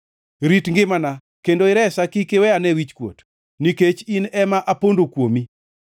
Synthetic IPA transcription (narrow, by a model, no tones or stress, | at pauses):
ɾitŋɡɪmana | kendoɪɾɛsakikewɛanɛwit͡ʃkwo̰t | niket͡ʃinɛmaʔapondokwomi